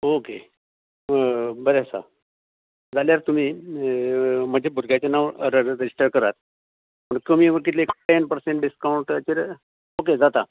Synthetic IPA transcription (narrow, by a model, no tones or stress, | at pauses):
oke | bəɾesa̰ | d͡zaljaɾt̪um̤iː | m̤əd͡ʑʱebʱuɾɡat͡ɕenaʋɾɾed͡ʑisʈəɾkəɾat̪̚ | məɳkəm̤iːʋəɾkit̪leeːkpenpəɾseɳʈɖiskawuɳʈt͡ɕeɾ | oked͡zat̪a